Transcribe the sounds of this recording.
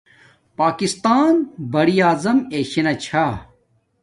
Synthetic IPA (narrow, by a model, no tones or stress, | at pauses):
paːkist̪aːnbɐɾijaːzɐmeːɕinɐt͡ɕʰa